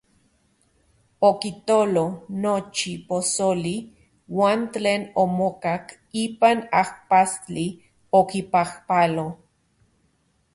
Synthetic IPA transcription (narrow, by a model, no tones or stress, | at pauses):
okit̪olonot͡ʃiposoli | waːnteːnomokak | iːpanahpast͡ɬi | okipahpalo